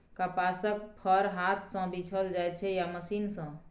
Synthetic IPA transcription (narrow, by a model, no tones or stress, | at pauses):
kapasəkpʰəɾɦat̪ʰsə̃bit͡ʃʰəld͡ʒajt͡ʃʰɛjaməsinsə̃